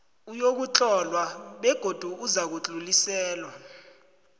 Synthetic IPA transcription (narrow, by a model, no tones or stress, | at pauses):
ujok̬ut͡ɬʼɔlwaɓɛɡ̥ʱod̥ʱuuzak̬ut͡ɬʼulisɛːlwa